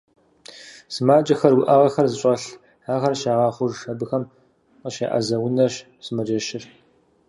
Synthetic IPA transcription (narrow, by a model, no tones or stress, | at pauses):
sɨmaːt͡ʃʼɐxɐrwʊʔɐʁɐxɐrzɨɕʼɐɬ | haːʁɐrʃaːʁɑːχʷʊʐɐbɨxɐm | qəʃa̰ːʔɐ̰zɐwʊnɐɕ | sɨmɐd͡ʒɐʃɪr